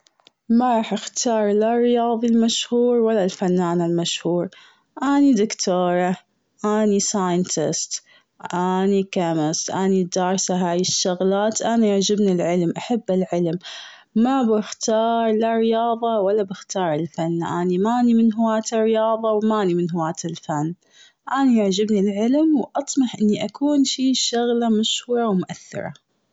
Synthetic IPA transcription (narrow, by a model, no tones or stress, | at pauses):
maɾˤɑːħʔaxt̪ʰɑːɾˤlarːɪjɑːðˤilmaʃhuːɾwalːalfanːaːnalmaʃhuːɾˤ | ʔaːnid̪ɪkt̪ʰoːɾˤɑ | ʔaːnisaːjɪnt̪ɪ̰st̪ | ʔanikamɪst̪ʔaːnid̪ɑːɾˤsaɦaːjɪʃːʊɣlaːt̪ʔanaaʕd͡ʒɪbnilʕɪlmʔaħabːɪlʕɪlmː | abɪxt̪ɑːɾˤlarɪjɑːðˤɑwalːabɪxt̪ɑːɾˤɪlfanːʔa̰ːnimaːnimɪnɦʊwaːt̪ɪrːɪjɑːðˤɑwmaːnimɪnɦʊwaːt̪ɪlfanː | ʔaːnijaʕd͡ʒabnilʕɪlmwʔɑt̪ˤmɑħʔɪnːiʔakuːnʃiːʃʊɣlamaʃhuːɾˤɑwmʊʔaθːɪ̰ɾˤɑ̰